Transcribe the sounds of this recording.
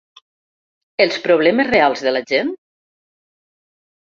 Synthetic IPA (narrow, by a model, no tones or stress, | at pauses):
elˠspɾoβ̞lɛmezrealˠzðelaʒen